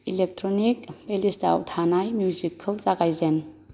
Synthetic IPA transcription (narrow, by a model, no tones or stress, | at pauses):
ilek̚tʰɾonik̚pelista̰wtʰanajmjuzikʰːɯwsaɡajzen